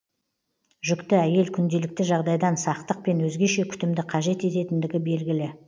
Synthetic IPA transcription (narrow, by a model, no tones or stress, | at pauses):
ʒʏkt̪ɪæje̞lkʲʰʏnd̪e̞lɪk̚t̪ɪʒɑʁd̪ɑjd̪ɑnsɑqt̪əq̚pe̞nwɵzɡʲe̞ʃe̞kʲʰʏ̥t̪ɪmd̪ɪqʰɑʒe̞t̪e̞t̪e̞t̪ɪnd̪ɪɡʲɪbe̞lɡʲɪlɪ